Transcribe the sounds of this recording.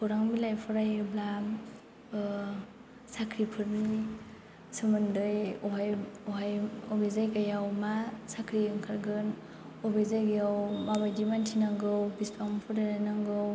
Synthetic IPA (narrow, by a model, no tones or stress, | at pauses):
pʰuɾaŋbilajpʰɔɾajblam | sakʰɾipʰɯɾni | sɯmɯndɯjɔɦajɔɦajɔbezajkajawmasakʰɾiɯŋkʰaɾɡɯn | ɔbezajɡjawmabajdimantʰinaŋɡɯwbispaŋmpʰɔɾaanaŋɡɯw